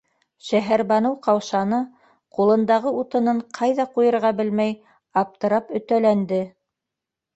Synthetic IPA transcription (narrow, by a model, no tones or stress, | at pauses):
ʃæɦæɾbɑnɤwqɑwʃɑnɤ | qulˠɤ̆nd̪ɑʁɤut̪ɤ̆nɤɴqʰɑjðɑqujɤ̆ɾʁɑbɘlmæj | ɑp̚t̪ɤ̆ɾɑpɵ̆t̪ælænd̪ɘ